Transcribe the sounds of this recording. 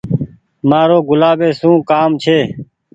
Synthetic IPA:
maːɾoːɡʊlaːbeːsũːkaːmt͡ʃʰeː

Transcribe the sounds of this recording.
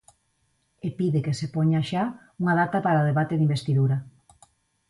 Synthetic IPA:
epiðekesepoɲaʃa | uŋaðat̪apaɾaoð̞eβat̪eðimbest̪iðuɾa

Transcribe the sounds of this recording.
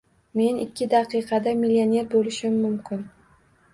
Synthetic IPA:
me̞nɪkʲːɪd̪aqʰɨjqʰɑd̪amilione̞ɾbolɪʃɪmːʊmkʲʰɪn

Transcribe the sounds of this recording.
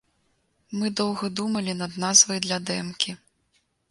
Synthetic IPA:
mɨd̪ɔwɣɐd̪umɐlʲinɐd̪nazvɐjd̪lʲɐd̪ɛmkʲi

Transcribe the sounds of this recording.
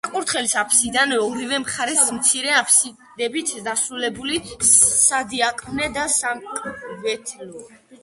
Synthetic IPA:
aqʼuɾt̪χɛlisapʰsid̪anɛɔɾivɛmχaɾɛsmt̪sʰiɾɛapʰsi | d̪ɛbit̪ʰd̪asɾulɛbulisad̪iakʼmnɛd̪asamkʼvɛt̪ʰlɔ

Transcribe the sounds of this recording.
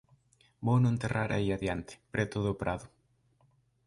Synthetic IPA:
bownõnt̪erʔaɾʔa̰iaðjant̪e̥pɾet̪oðoːpɾʔaðʊ

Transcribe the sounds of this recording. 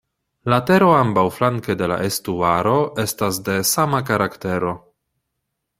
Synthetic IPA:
late̞ɾo̞ambawflaŋkede̞la̰ʔestuaɾo̞e̞stasde̞samakaɾakte̞ɾo̞

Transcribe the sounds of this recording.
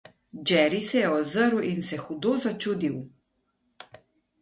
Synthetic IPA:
d͡ʒɛɾisɛjɛozəɾuʔinsɛxud̪ozat͡ʃuːd̪iw

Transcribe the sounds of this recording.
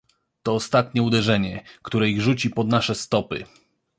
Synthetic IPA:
t̪ɔːst̪at̪ɲɛud̪ɛʐɛɲɛkt̪uɾɛiɣʐut͡ɕipɔd̪naʂɛst̪ɔpɘ̰

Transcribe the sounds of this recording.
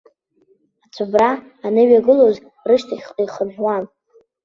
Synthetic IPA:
at͡sʷʰabraː | nɨɥaɡɨloz | rɨʃtʰaχʲʼijχəʒʷᶣwan

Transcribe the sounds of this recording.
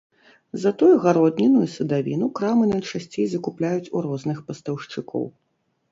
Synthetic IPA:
zɐt̪ujuɣaɾɔd̪nʲinujusɐd̪avʲḭnukɾamɨnɐt͡ʂasʲt͡sʲejzɐkuplʲajut͡sʲuɾɔznɨxpɐst̪ɐwʂt͡ʂɨkɔ̰w

